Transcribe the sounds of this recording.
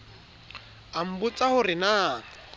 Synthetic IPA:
am̩bʊt͡sʼahʊrɪna

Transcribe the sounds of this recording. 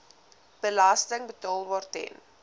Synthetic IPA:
b̥əlastəŋbətɑːlˠbɑːrtɛ̰n

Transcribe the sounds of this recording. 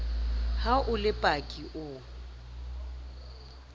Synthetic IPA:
haʔʊlɪpʼakʼiʔʊ

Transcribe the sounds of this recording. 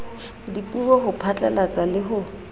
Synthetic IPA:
dipʼubɔhʊpʰat͡ɬʼalat͡sʼalɪɦʊ

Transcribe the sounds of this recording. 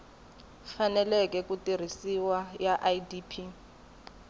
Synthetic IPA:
fanɛlɛkʼɛkutʼir̤isiwajaʔajdiːpʰi

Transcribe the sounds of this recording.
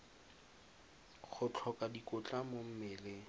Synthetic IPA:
χʰʊt͡ɬʰɔkʼadikʼʊt͡ɬʼamom̩mɪːle

